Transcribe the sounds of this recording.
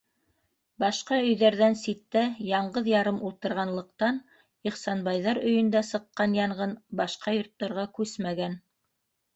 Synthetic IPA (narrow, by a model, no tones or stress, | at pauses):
bɑʃqɑɵ̆jðæɾðænsit̪ːæjɑɴɢɤðjɑɾɤmulˠt̪ɤ̆ɾʁɑnlˠɤ̆q̚t̪ɑn | iχsɑnbɑjðɑɾɵ̆jɵ̆nd̪æsɤ̆qːɑnjɑɴʁɤnbɑʃqɑjŏɾt̪ːɑɾʁɑkʉsmæɡæn